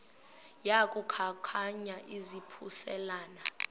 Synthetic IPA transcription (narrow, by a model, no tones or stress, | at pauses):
jak̬ʼukʰakʰaɲaʔizipʰusɛlaːna